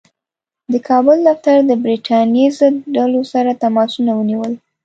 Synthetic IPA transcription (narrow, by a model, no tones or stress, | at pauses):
d̪əkʰɑbʊld̪aft̪aɾd̪əbɾiʈʰɑnjezəɖalosaɾat̪amɑsunawəniwəl